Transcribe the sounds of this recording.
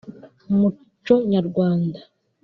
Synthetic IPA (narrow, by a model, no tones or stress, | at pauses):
mu | t͡ʃoɲaɾɡwaːnda